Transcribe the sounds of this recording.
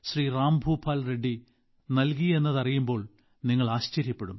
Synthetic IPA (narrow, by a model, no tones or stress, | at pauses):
ɕriːraːmbʱuːpʰːaːlre̞ɖːi | nɐlkie̞nːɐðɐrijumbo̞ːɭ | niŋːɐɭaːɕt͡ɕɐɾjɐpːe̞ɽum